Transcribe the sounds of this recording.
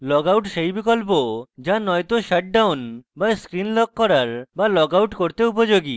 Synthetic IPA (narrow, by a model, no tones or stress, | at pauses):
lɔɡawʈʃejbikolpod͡ʑanɔjt̪oʃaʈ̚ɖawnbaskɾinlɔkkːɔɾaɾbalɔɡawʈkoɾt̪eup̬od͡ʑoɡi